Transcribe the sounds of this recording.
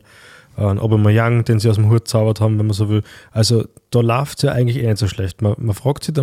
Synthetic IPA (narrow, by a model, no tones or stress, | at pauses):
ʔənʔo̰bɐməjaŋd̥eːnsiːaʊsm̩ɦuɐt̚t͡saʊvɐthɑːbm̩vɛnmɐs̬oːvɪlʔalzo | d̥ɑːlaʊftsjɑːʔa̰ɪɡŋ̩tlɪçeːnɛtsoːʃlɛçtmɐmɐfʁ̥ɑːktsida